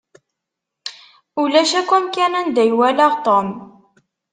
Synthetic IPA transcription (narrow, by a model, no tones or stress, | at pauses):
ulæʃækumkænænd̪æjwælæʁt̪ˤom